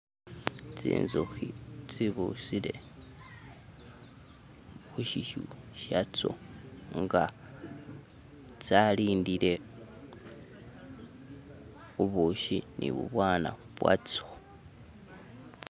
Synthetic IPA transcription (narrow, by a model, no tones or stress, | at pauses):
t͡sḭːnzuxit͡siβusiɾe̞ | βuʃiʃuʃat͡soŋɡa | t͡saliːndiɾe̞ | uβuʃinʔḭβṵβwaːna̰βwa̰t͡so